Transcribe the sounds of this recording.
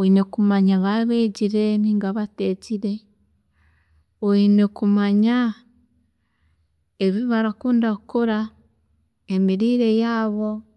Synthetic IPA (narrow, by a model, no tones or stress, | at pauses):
oinekumaɲaβaβeːɟiɾeniːŋɡaβateːciɾe̞ | oinekumaɲa | eβiβaɾakuːndakuɾa | emiɾiːɾe̞jaːβo̞